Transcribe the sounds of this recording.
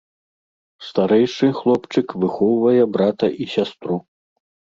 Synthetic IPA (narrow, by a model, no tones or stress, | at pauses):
st̪aɾɛjʂɨxlˠɔpt͡ʂɨkvɨxɔwvɐjɛbɾat̪ɐʔisʲast̪ɾu